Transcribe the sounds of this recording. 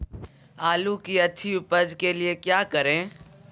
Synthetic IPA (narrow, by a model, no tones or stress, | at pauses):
aːlukiɐt͡ʃʰiʊpəd͡ʒkeliekjaːkɐɾẽː